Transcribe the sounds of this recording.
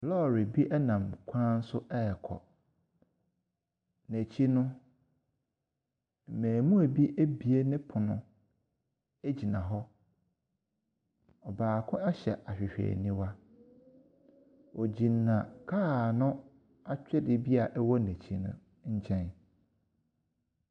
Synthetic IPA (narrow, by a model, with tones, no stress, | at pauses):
lɔ˦˨ɾi˨bi˦ʔɛ˦nã˨mkʷʰã˦n̩˦sʊ˦ʔɛ˦˨kʰɔ̰˨ | næ˨t͡ɕʰi˦nʊ̃˦˨ | mæ̃ː˨mũ˦æ˨bi˦ʔe˦bi˨e˦nɪ̃˦pʰʊ˨nʊ̰̃˨ | e˦d͡ʑi˨nã˨ɦɔ˦ | ɔ˨baː˨kʰʊ̃˦a˦ɕɛ̰˨ʔa˨ɕᶣɪ˨ɕᶣḛː˨nĩ˦wa˦ | ɔ˨d͡ʑĩ˨nː˨ã˨kʰaː˦˨nʊ̃˦ | a˦t͡ɕᶣɪ˦dɪ˨bi˦a˨ʔɛ˦wɔ˦nẽ˨t͡ɕʰi˦nʊ̰̃˦ | ɲ̩˦t͡ɕʰɛ̃˦n